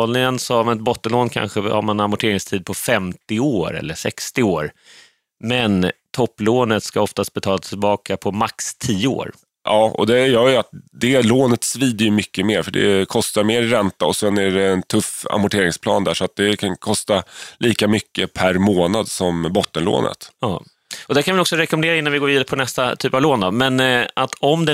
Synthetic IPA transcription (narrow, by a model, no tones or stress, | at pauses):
lnɪŋənsɔamnɛt̪̚bɔt̪ːənloːnkʰa̰nɧəha̰ɾmanamʊʈʰeːɾɪŋst̪ʰiːd̪̚pʰɔfɛmt̪ɪoːɾɛ̰lːəʂɛ̰kst̪ɪoːɾ | mɛnt̪ʰɔpːloːnət̪skaɔft̪ast̪̚bɛt̪ʰɑːlat̪ʰɪlbɑːkapʰɔmakst̪ʰiːəo̰ːɾ | ʔɑːɔ̰d̪ɛjœːɾjəat̪̚d̪ɛloːnət̪sviːd̪əjɵmʏkːəmeːɾfœɖɛ̰kʰɔst̪aɾmeːɾːɛnt̪aɔsɛnæɖɛːnt̪ʰɵfa̰mpʊʈʰeːɾɪŋspʰlɑ̰ːnd̪æ̰ʂɔat̪̚d̪ɛkʰankʰɔst̪aliːkamʏkːəpʰæɾmoːnad̪sɔmbɔt̪ːənlo̰ːnə̰t̪ɑː | ɔd̪æɾkʰanvɪɔksɔɾɛkɔmɛnd̪eːɾaɪnːanvɪɡoːɾviːd̪aɾəpʰɔnɛst̪at̪ʰyːpavloːnd̪ɔmɛnʔat̪ʰɔmd̪ɛ